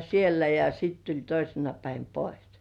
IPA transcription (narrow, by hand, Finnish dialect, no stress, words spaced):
sielːæ jɑ sit tulʲ toisenɑ pæin pois